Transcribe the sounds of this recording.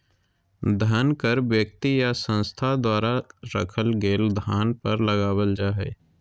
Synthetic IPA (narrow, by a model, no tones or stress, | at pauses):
d̪ʱənkəɾʋjək̚t̪ijasə̃nst̪ʰad̪waːɾaɾə̰kʰəlɡeːld̪ʱaːnpəɾlɐɡaːwəld͡ʒaːɦɛ̰ː